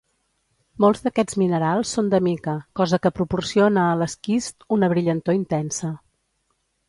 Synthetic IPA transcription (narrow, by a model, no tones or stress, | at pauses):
molˠzðəkɛd͡zminəɾalˠsːond̪əmikəkɔzəkəpɾupursionəːləskist̪unəβɾiʎənt̪oint̪ɛnsə